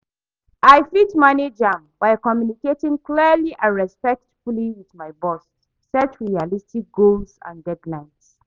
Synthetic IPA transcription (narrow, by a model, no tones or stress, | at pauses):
aɪfitmaned͡ʒãmbaɪkɔmjuniketĩŋkliəliʔãnɹɛspɛk̚tfuliwiðmaɪbɔstː | ɛt͡ʃɹialistik̚ɡolsã̰ndɛdlãɪ̃ns